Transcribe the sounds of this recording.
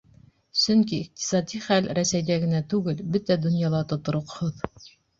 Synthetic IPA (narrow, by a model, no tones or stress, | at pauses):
sɵŋkiiq̚t̪i̥sɑd̪ʲiχælɾæsæjd̪æɡɘ̆næt̪ʉɡɘlbɘt̪æd̪ŏnjɑlˠɑt̪ŏt̪ŏɾŏqhoð